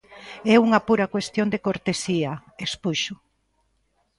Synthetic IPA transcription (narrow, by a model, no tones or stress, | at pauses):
ɛuŋɐpuɾɐkwest̪jond̪ekoɾt̪esiɐespuʃʊ